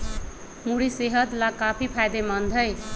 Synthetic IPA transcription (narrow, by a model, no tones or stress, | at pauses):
muɽiseɦʌd̪lakapʰipʰajd̪emʌnd̪ʱʌj